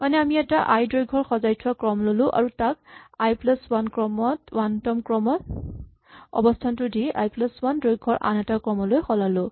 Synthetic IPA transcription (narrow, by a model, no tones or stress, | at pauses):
manɛamiɛtaʔajdɹojɡʱɔɹxɔzajtʰʊwakɹɔmlolʊ̃ʔa̰ɹutak̚ajplaswankɹɔmɔtwantɔmkɹɔmɔ | ɔ̰bɔstʰantʊdia̰jplaswandɹojɡʱɔɹʔa̰nɛtakɹɔmɔlojxɔlalʊ̃